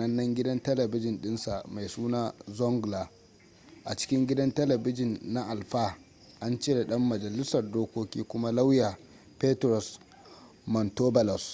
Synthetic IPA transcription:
nɐ˦nːɐ˦ŋɡʲɪ˦dɐ˦ntɐ˦lɐ˨bɪ˦d͡ʒɪ˨nɗɪ˦nsa˨ʔma˨jsuː˦naː˦zɔ˦ŋɡla˨ | ʔa˨t͡ʃɪ̥˦kʲɪ˦ŋɡʲɪ˦dɐ˦ntɐ˦lɐ˨bɪ˦d͡ʒɪ˨nːa˦ʔa˨lɸaː˦ | ʔa˦nt͡ʃeː˦da˨ɗɐ˦mːɐ˨d͡ʒɐ˨lɪ˦sɐ˨rdoː˦kʷoː˦kʲiː˦kʷʊ˦ma˦la˦wja˨ | pe˦tɾɔ˨s | mɔ˨ntoː˦bɐ˨lɔ˨s

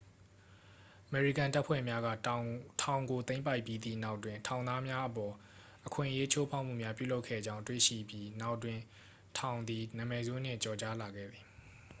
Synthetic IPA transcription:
ʔə˨mɛ˨ɹi˦˨kã˨nta˦ʔpʰwɛ̰˦˨mja˦ɡä̰˦˨tʰã˨ʊ̃ŋɡo˨t̪θẽ˦ɪ̃mpa˦ɪʔpji˦d̪ḭ˦˨na˦ʊʔtːwɪ̃˨ntʰã˨ʊ̃nd̪a˦mja˦ʔəpɔ˨ | ʔəkʰwɪ̰̃˦˨ʔəje˦t͡ɕʰo˦pʰa˦ʊʔm̥ṵ˦˨mja˦pjṵ˦˨lo˦ʊkʰːɛ̰˦˨d͡ʑã˦ʊ̃ntwḛ˦˨ʃḭ˦˨bji˦na˦ʊʔtwɪ̃˨ | tʰã˨ʊ̃nd̪i˨nã˨mɛ˨zo˦n̥ɪ̰̃˦˨t͡ɕɔ˨t͡ɕa˦la˨ɡɛ̰˦˨d̪ði˨

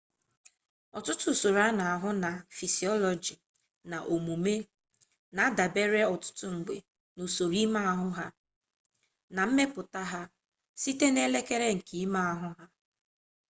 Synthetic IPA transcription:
ɔ˨tʊ˦tʊ˨so˨ɾa˦na˨a˨ɦʊ˦na˨fi˨si˨ɔ˦lɔ˨d͡ʒi˨ | na˨ʔo˨mu˨me˦ | na˨a˦da˨be˦ɾe˦ɔ˨tʊ̥˦tʊ˦ŋ̩˨ɡ͡be˨ | nu˨so˨ɾi˦ma˦a˦˨ɦʊ˦ɦa˦ | na˨m̩˦me˦pʊ˨ta˦ɦa˦ | si˦te˦ne˦le˦ke˦ɾe˦ŋ̩˨kʰi˨i˦ma˦a˨ɦʊ˦ɦa˦

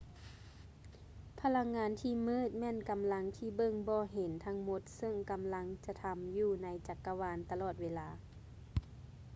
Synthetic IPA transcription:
pʰa˧la˧ŋːaː˨˦nt̪ʰiː˧˩mɤː˧˥˨t̪̚mɛː˧˥˨nka˨˦mla˧˦ŋt̪ʰiː˧˩bɤ˧˨ŋbɔː˧˦ɦe˨˦nt̪ʰa˧˥ŋmo˧˦t̪̚sɤ˧˩ŋka˨˦mla˧˦ŋt͡ɕa˧˩t̪ʰa˧˦mjuː˧˩na˧˦jt͡ɕa˨˧˩kːa˧waː˧˥nt̪a˧lɔː˨˩t̪̚weː˧laː˨˦

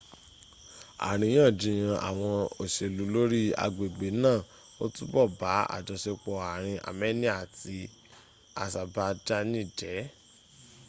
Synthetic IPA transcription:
a̰˨ɾ̃ĩ˧˦j̃ã˦˨d͡ʒĩ˨˦j̃ã˧a̰˨w̃ɔ̃˧o˨ʃe˧lu˨˦lo˦ɾi˦a̰˧ɡ͡be˨ɡ͡be˨˦nãː˦˨ | o˦tu˦bɔ˦˨ba˨˦a̰˦˨d͡ʒɔ˨ʃe˧k͡pɔ˧a˨ɾ̃ĩ˧ʔa̰˨mɛ˦nĩ˦a˦˨ti˧ | a̰˨sa˧ba˧d͡ʒa˦nĩ˦˨d͡ʒɛ˨˦

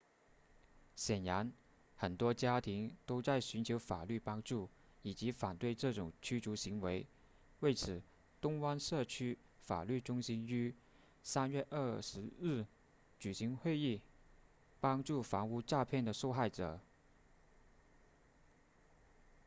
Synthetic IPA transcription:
ɕjɛ˨˩nja˧˥n | xə˨˩nt̪wɔ˥t͡ɕja˥t̪ʰi˧˥ŋt̪o˥ʊt͡sa˥˩ɪɕy˧˥nt͡ɕʰjo˧˥ʊfa˨˩ly˥˩pɑ˥ŋʈ͡ʂu˥˩ | i˨˩t͡ɕi˧˥fa˨˩nt̪we˥˧ɪʈ͡ʂɤ˥˩ʈ͡ʂʊ˨˩ŋt͡ɕʰy˥ʈ͡ʂu˧˥ɕi˧˥ŋwe˧˥ɪ | we˥˩ɪt͡sʰɹ̩˨˩˦ | t̪ʊ˥ŋwa˥nʂɤ˥˩t͡ɕʰy˥ | fa̰˨˩ly˥˩ʈ͡ʂʊ˥ŋɕi˥ny˥ | sa˥nɥɛ˥˧ʔə˥˩ʂɻ̩˧˥ɻ̩˥˩ | t͡ɕy˨˩ɕi˧˥ŋxwe˥˧ɪi˥˩ | pɑ˥ŋʈ͡ʂu˥˩fɑ˧˥ŋu˥˧ʈ͡ʂa˥˧pʰjɛ˥˩nd̪ə˩ʂo˥˧ʊxa˥˩ɪʈ͡ʂɤ̰˨˩˦

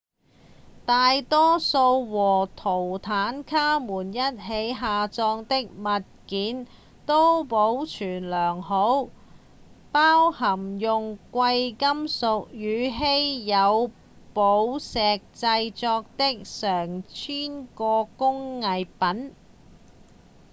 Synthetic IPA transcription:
t̪aː˨jt̪ɔː˥so˧wwɔː˨˩t̪ʰo˨˩wt̪ʰaː˨˥nkʰaː˥muː˨˩njɐ˥t̚ɦe˨˥jɦaː˨t͡sɔː˧ŋt̪ɪ˥k̚mɐ˨t̚kiː˨˥n | t̪o˥wpo˨˧˥wt͡ʃʰyː˨˩nlœː˨˩ŋɦo˨˥w | paː˥whɐ˨˩mjʊ˨ŋkʷɐ˧jkɐ˥msʊ˨k̚jyː˨˧ɦe˥jjɐ˨˧w | po˨˥wsɛː˨k̚t͡sɐ˧jt͡sɔː˧k̚t̪ɪ˥k̚sœː˨˩ŋt͡ʃʰyː˥nkɔː˧kʊ˥ŋːɐ˨˧jpɐ˨˥n

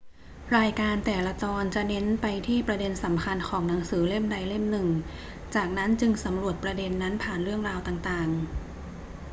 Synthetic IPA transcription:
ɾaː˧jkaː˧nt̪ɛː˨˩la˧t͡ɕɔː˧nt͡ɕa˨˩ne˦˥npa˧jt̪ʰiː˥˩pɾa˧de˧nsa˩˦mkʰa˧nkʰɔː˩˦ŋna˩˦ŋsɯː˩˦le˥˩mda˧jle˥˩mnɯ˨˩ŋ | t͡ɕaː˨˩k̚na˦˥nt͡ɕɯ˧ŋsa˩˦mɾu˨˩ət̪̚pɾa˧de˧nːa˦˥npʰaː˨˩nɾɯ˥˩əŋɾaː˧wt̪aː˨˩ŋt̪aː˨˩ŋ

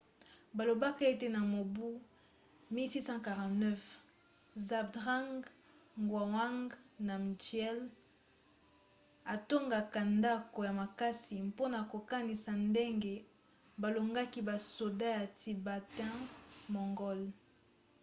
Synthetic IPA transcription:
ba˨lo˨ba˦ka˦e˦te˨na˨mo˨bu˦ | mi˦ti˦sã˦ka˨ʁã˨tnɛ˦f | za˨bdʁa˦ŋɡ | ŋɡwa˨wa˦ŋɡna˨m˨djɛ˦l | a˨to˦ŋɡa˨ka˨nda˦ko˨ja˨ma˨ka˦si˨mpo˦na˨ko˨ka˦ni˨sa˨nde˦ŋɡe˨ | ba˨lo˨ŋɡa˦ki˦ba˨so˨da˦ja˨tʰi˨ba˨tɛ̃˦mɔ˨ŋɡɔ˦l

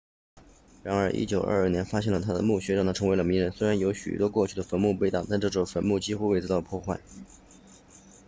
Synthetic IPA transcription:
ɻa˧˥nə˞˧˥ʔḭ˥t͡ɕjo˨˩ʊʔə̰˞˥˧ə˞˥˩njɛ˧˥nfa˥ɕjɛ˥˩nlə˩t̪ʰa˥d̪ə̰˨mu˥˩ɕɥɛ˧˥ɻɑ˥˩t̪ʰa˥˩ʈ͡ʂʰɤ˧˥ŋwlə˧mi˧˥ŋɻə˧˥nswe˥ɻa˧˥njo˧˥ʊɕy̰˨˩t̪wɔ˥kwɔ˥˧t͡ɕʰy˥˩ə˩fə˧˥nmu˥˧pe˥˧ɪt̪ɑ˥˩t̪a˥˧nʈ͡ʂɤ˥˩ʈ͡ʂfə˧˥nmu˥˩t͡ɕi˥xu˥we˥˩ɪt͡sɹ̩˥t̪ɑ˥˧˩ʊpʰwɔ˥˧xwa˥˩ɪ

